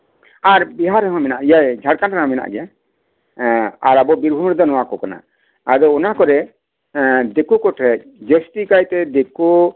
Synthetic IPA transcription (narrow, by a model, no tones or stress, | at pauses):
aɾbiɦaɾɛɦɔ̃mɛnaʔijajd͡ʒʱaɽkananãmɛna̰ʔɡɛ | aɾabɔbiɾbʱumɾɛd̪ɔnɔwakɔkana̰ | ad̪ɔɔnakɔɾɛ | d̪ekukɔʈʰɾɛc̚ˀd͡ʒesʈikajt̪ɛd̪eku